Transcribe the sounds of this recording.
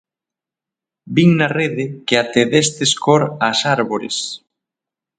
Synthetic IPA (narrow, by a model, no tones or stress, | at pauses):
biŋnɐreðɪkeat̪eðest̪eskoɾasaɾβoɾḛs